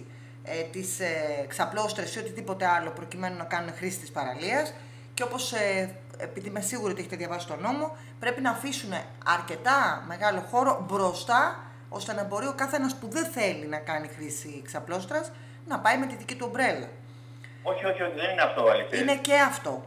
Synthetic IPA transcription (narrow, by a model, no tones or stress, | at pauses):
t̪iseksɐplo̞st̪ɾesio̞t̪iðipo̞t̪eɐlo̞pɾo̞cime̞nunɐkɐnune̞xɾisi̥t̪ispɐɾɐ̰liɐs | ceo̞po̞se | epiðimesiɣuɾoieçet̪eðʝɐvɐsist̪o̞no̞mo̞ | pɾe̞pinɐːfisune̞ | ɐɾce̞t̪ɐme̞ɣɐlo̞xo̞ɾo̞bɾo̞st̪ɐ | o̞̰st̪e̞nɐbo̞ɾio̞kɐθe̞nɐspuðe̞nθe̞linɐkɐnixɾisiksɐplo̞st̪ɾɐs | nɐpɐime̞t̪iðicit̪uobɾe̞lɐ̰ | oçio̞çiot̪iðenineɐft̪oɐliinece̞ɐft̪o̞